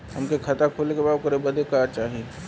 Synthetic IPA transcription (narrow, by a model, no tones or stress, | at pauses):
ɦɐmkekʰat̪akʰoːlekebaːd̪kəɾebəd̪ʱekaːɾt͡ʃaːɦie